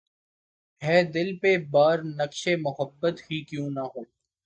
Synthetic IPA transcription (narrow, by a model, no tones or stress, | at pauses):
ɦɛːd̪ɪlpebaːɾnɐkʃemʊɦəbːət̪ɦiːkjũːnɐɦoː